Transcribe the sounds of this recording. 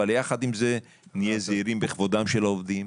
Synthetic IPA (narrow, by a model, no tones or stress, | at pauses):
aljaχad̪imze | nijezeiɾimbeχvod̪amʃeloovd̪im